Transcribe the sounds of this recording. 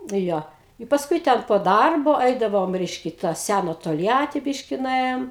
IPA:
ˈjoː ɪ pɐsˈkʊɪ tʲɛn poː ˈdɐrboː ˈɛɪdɐʋoːm ˈrʲɛɪʃʲkʲɛ ɪ tɐ ˈsʲænɐ toːlʲˈjæːtʲɪ ˈbʲɪʃʲkʲɪ nʊˈeːjoːm

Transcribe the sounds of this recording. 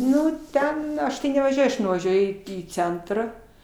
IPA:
ˈnʊ ˈtʲɛn ˈɐʃ tɐɪ nʲɛʋɐˈʒʲuɔj ɐʃ nʊʋɐˈʒʲuɔjʊ iː ˈt͡sʲɛntrɑː

